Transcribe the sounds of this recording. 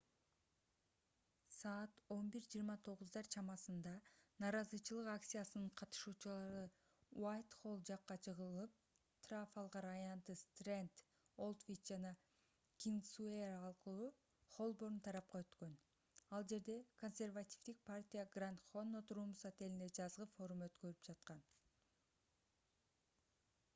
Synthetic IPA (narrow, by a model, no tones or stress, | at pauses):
sɑːt̪o̞nbiɾd͡ʒiːɾmɑt̪ʰo̞ʁuzd̪ɑɾt͡ʃʰɑmɑsɯnd̪ɑnɑːɾɑzɯt͡ʃʰɯlˠɯqakt̪sɨjasɯnɯɴqʰɑt̪ɯ̥ʃuːt͡ʃulˠɑɾɯ | wajt̪χo̞lˠd͡ʒɑqːɑt͡ʃʰɯʁɯlˠɯp̚ | t̪rafɑlˠʁɑɾɑjɑnt̪ɯst̪rent̪ | o̞lˠt̪vʲit̪d͡ʒɑnɑ | kʲiŋɡsueɾɑlˠqɯlˠu | χo̞lˠbo̞ɾunt̪ʰɑɾɑp̚qɑøt̪kø̞n | ɑlˠd͡ʒe̞ɾd̪e̞ko̞nʲsʲe̞rvatʲi̥fd̪ik̚pʰartʲijaɡrant̪χo̞nːo̞t̪uɾuːmusat̪e̞lind̪ed͡ʒɑzʁɯfo̞ɾumø̞t̪kø̞ɾypd͡ʒɑt̪qɑn